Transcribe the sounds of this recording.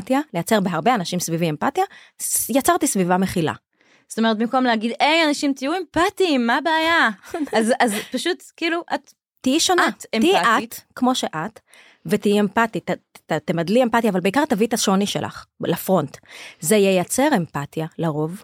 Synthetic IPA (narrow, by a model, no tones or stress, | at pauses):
tjale̞jat͡se̞ʁbeɦaʁbe̞anaʃimsviviempatjajat͡saʁt̪isvivame̞χila̰ | zo̥t̪ome̞ʁet̪̚bimko̞mleaɡid̪ejanaʃimt̪ijuempat̪imːabeajazazpaʃutkiːluʔat̪ | tːijiʃonatmtiiʔat̪kmo̞ʃe̞ʔat̪ | vet̪ijiempat̪itatt̪emadlie̞mpatjaːvalbeikaʁt̪avit̪aʃoniʃḛlʔa̰χlafʁo̞ntzejejat͡se̞ʁe̞mpatjalaʁo̞v